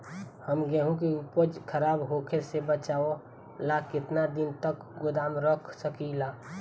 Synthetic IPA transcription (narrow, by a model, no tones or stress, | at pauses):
həmɡeɦũkiʊpəd͡ʒkʰəɾaːbɦokʰesebət͡ʃaːo | lakɪt̪nad̪ɪnt̪əkɡʊd̪aːmɾəkʰsəkilaː